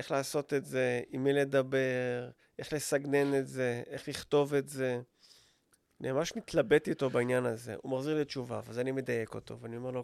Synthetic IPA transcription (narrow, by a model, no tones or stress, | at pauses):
ʔe̞χlaːso̞t̪etze̞imːile̞dabe̞ʁ | ʔe̞χle̞saɡne̞netze̞ʔe̞χliχto̞ve̞tze̞ | neamaʃnitlabe̞tito̞bainjanaze̞̰ʔumaχziʁlit͡ʃuvavazanimedaje̞ko̞to̞̰veanio̞me̞ʁlo̞